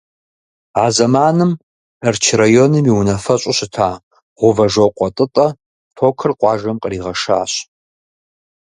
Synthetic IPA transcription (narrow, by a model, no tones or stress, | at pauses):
aːzɐmaːnɨm | ɐrt͡ʃʰrajonɨmiwnɐfɐɕʼʊɕɪtʰaː | ʁʷʊvɐʒoqʷʼɔtʼɨtʼɐ | tʰoːkʰɨrqʷʼɑːʒɐmqʼəriːʁɐʂa̰ːɕ